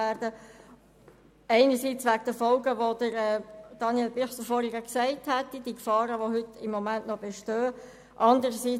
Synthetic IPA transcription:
æːɾd̥ə | ɛɪnəsit͡sʋækd̥əfɔlɡəʋod̥əɾɛːd̥ɑnjɛlbiχsəfɔːɾiɡəksɛɪthætːid̥iəkfɑːɾəʋohʏtɪmːɔmænʔnɔb̥eʃtøː | ʔɑndəɾəsiː

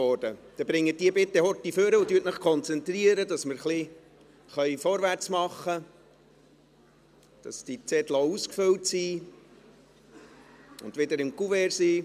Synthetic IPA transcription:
ɔd̥əd̥ɛbɾɪŋːəd̥iəbɪt̪ːɛhɔt̪ːiføɾəʊt̪yːtməχkʰɔnt͡sɛnt̪ɾiəɾədɑsməɾχli | χœʏfɔɾʋært͡smɑχːə | d̥ɑsd̥it͡sɛt̪louskfɵltsiː | ʊndʋɪd̪əɾɪmkuvɛɾsiː

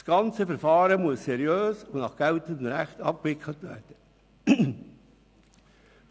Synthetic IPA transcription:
sɡ̥ɑnt͡səfəɾfɑːɾəmuəssɛɾjøːsʊnɑχɡ̥ɛltəndnɾæχtɑp̚kʋɪkʰlətʋæ̰ːɾd̥ə

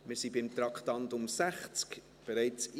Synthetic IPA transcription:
mɪɾsibɪmt̪ɾɑkχtɑntʊmsæχt͡sk | b̥ɛɾɛɪt͡s

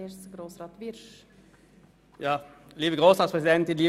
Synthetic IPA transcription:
eɾsɡɾoːsɾɑt̪ʋiɾʂ | jɑː | liːvəɡʁoːsʁɑːtspʁɛs̬ɪd̪ɛnt̪ɪliː

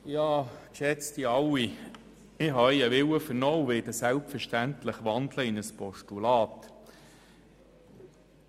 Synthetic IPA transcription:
jɑːkʃɛt͡st̪iɑwi | ɪɦɑjəʋɪwəfəɾnoːwʋɪd̪əsælpfəɾʃtæntləχʋɑnd̪ləɪnəspɔʃtulɑːt̪

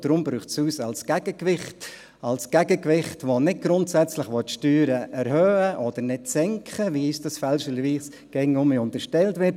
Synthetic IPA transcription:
d̥ɾʊmbɾyːχtsuːsɑlskæɡ̥əkʋɪχt | ɑlskæɡəkʋɪχtʋonɪd̚ɡ̥ɾʊntsæt͡sləχʋɔtʃtyːɾəʔɛɾhœːəʔɔd̥əɾnɪtsɛŋkχəʋiisd̥ɑsfɛlʃəlʋiːs | ɡ̥ɛŋʊmiʊntəʃtɛltʋɪt

